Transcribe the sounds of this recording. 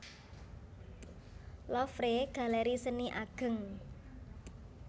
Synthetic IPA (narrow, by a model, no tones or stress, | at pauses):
lɔfɾeɡ̥a̤lɛɾisəniʔaɡ̥ə̤ŋ